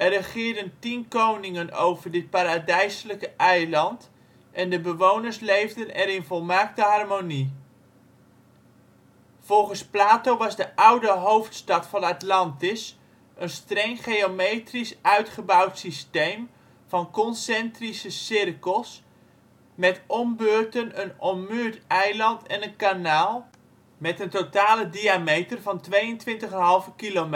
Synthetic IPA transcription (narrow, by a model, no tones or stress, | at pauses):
ʔɛrəχɪːɹdəntinkownɪŋəno̰wvəɹdɪt̚paːɾadɛjsələkəʔɛjlɑnt | ʔɛndəbəʋownəɹslejvdənɛɾɪnvɔlˠmaːk̚təɦɑrmoni | v̥ɔlˠχənsplaːtowʋɑzdəʔʌwdəɦowftstɑtfɑnatlɑntɪs | ʔənstrɛŋχejomejtrisœɥtχəbʌwtsistejm | v̥ɑnkɔnsɛntrisəsɪrkəlˠs | mɛtʔɔmbøːɹtənənɔmyːɹtɛjlɑntʰɛnənkanaːlˠ | mɛtəntotaːlədiamejtərvɑntʋejəntʋɪntəχənɦɑlˠvəkilom